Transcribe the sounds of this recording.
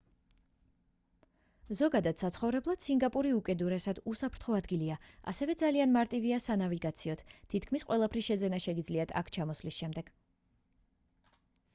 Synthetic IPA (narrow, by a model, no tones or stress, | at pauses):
zɔɡad̪at̪sat̪sʰχɔvɾɛblˠad̪̥siŋɡapʼuɾiukʼɛd̪uɾɛsad̪usapʰɾt̪ʰχɔad̪ɡiliaa̰sɛvɛd̪zalianmaɾt̪ʼiviasanaviɡat̪sʰiɔt̪ʰt̪ʰit̪ʰkʰmisqʼwɛlˠapʰɾisʃɛd̪zɛnaʃɛɡid̪zliat̪ʰa̰kʰt͡ʃʰamɔslisʃɛmd̪ɛɡ̥